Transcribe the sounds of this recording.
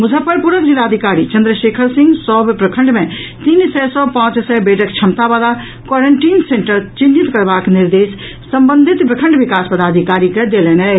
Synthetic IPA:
mud͡ʒʱəpʰəɾpuɾəbd͡ʒilaːd̪ʱikaɾit͡ʃənd̪ɾəʃekʰəɾsĩŋɡsɔbpɾəkʰəɳɖmẽt̪insɛsɔpãt͡ʃsɛbeʈəkt͡ʃʰəmt̪abala | kwɔɾəɳʈiːnseɳʈəɾt͡ʃinːit̪kəɾbakniɾd̪es | sə̃mbənd̪ʱit̪pɾəkʰə̃ɳɖbikaspəd̪ad̪ʱikaɾikɛd̪elɛnɛ

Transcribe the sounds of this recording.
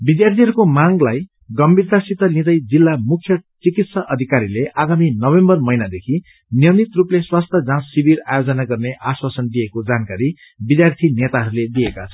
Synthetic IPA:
bid̪jart̪ʰiɦʌɾukomaŋlaj | ɡʌmbʱird̪asit̪ʌlid̪ʌjd͡zilːamukʰːjʌt͡sikit̪sʌʔʌd̪ʱikaɾileʔaɡaminʌbembʌrmʌjnad̪ekʰi | njʌnit̪rupleswast̪ʰjʌd͡zãːibira̰jod͡zʌnaɡʌrneʔaswasʌnd̪iekod͡zankaɾi | bid̪jart̪ʰinet̪aɦʌɾuled̪iekat͡sʰʌ

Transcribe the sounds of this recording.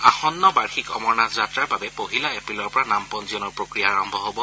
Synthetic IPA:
axɔnːɔbaɹxikɔmɔɹnazatɹaɹbabɛpoɦilaepɹilɔɹpɔɹanampɔnziɔnɔɹpɹokɹijaːɹɔmbʱɔɦobɔ

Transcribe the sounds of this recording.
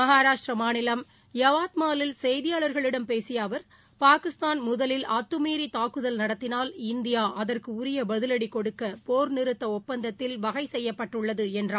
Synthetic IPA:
mɐɦaːɾaːʂʈrɐmaːnɪlɐm | jɐʋaːt̪̚maːlɪlsɛjðɪjaːɭɐɾɣɐɭɪɽɐmpeːsɪjaːʋɐɾ | paːkɪst̪aːnmʊðɐlɪlɐt̪ːɯmiːɾit̪aːkːɯðɐlnɐɽɐt̪ːɪnaːlɪnd̪ɪjaːʔɐðɐrkɯʊɾɪjɐbɐðɯlɐɽikɔɽɯkːɐpoːɾnɪɾɯt̪ːɐɔpːɐnd̪ɐt̪ːɪlʋɐɣɐɪsɛjːɐpːɐʈːɯɭːɐðɯɛndraː

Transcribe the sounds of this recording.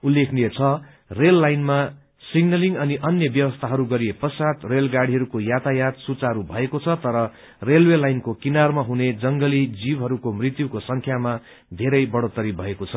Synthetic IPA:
ulːekʰnijet͡sʰʌ | relːajnma | siɡnʌliŋɡʌniʔʌnjʌbjʌwʌst̪ʰaɦʌɾuɡʌɾijepʌsat̪relɡaɽiɦʌɾukojat̪ʰajat̪sut͡saɦɾubʱʌekot͡sʰʌt̪ʌɾʌ | relwelajnkokinarmaɦuned͡zʌŋɡʌlid͡zibɦʌɾukomrit̪jukosʌŋkʰjama | d̪ʱeɾʌjbʌɽot̪ʌɾibʱʌekot͡sʰʌ

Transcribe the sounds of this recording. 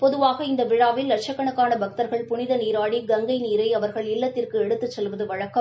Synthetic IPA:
pɔðɯʋaːɣɐɪnd̪ɐʋɪɻaːʋɪlːɐʈʂɐkːɐɳɐkːaːnɐbɐk̚t̪ɐɾɣɐɭpʊnɪðɐniːɾaːɽiɡɐŋɡɐɪniːɾɐɪɐʋɐɾɣɐɭɪlːɐt̪ːɪrkɯɛɽɯt̪ːɯt͡ʃːɛlʋɐðɯʋɐɻɐkːɐ

